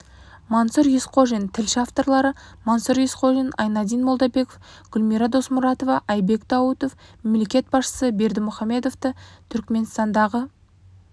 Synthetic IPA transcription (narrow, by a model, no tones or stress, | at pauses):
mɑnsəɾjesqʰoʒent̪ʰɪlʃaft̪o̞rlˠɑɾəmansəɾjesqʰoʒenɑ̰jnɑd̪ijnmo̞lˠd̪ɑbe̞kofɡ̥ʲʏlmiɾɑd̪o̞smʊɾɑt̪o̞vɑʔɑjbe̞kd̪ɑwət̪o̞fmemle̞kʲe̞t̪̚bɑsʃə̥səbe̞ɾd̪ɪmʊχɑme̞d̪o̞ft̪ət̪ʰʏɾkme̞nst̪ɑnd̪ɑʁə